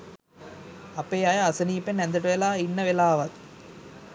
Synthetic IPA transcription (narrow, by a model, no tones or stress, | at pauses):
ɐpejajaːsɐniːpenend̪ɐʈɐʋɛlaːinːɐʋelaːʋɐt̪